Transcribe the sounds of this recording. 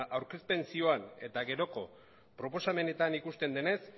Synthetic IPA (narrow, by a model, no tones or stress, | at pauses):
ʔawɾke̞spe̞nsio̞ane̞t̪aɣe̞ɾo̞ko̞ | pɾo̞po̞same̞ne̞t̪anikust̪e̞nd̪e̞ne̞s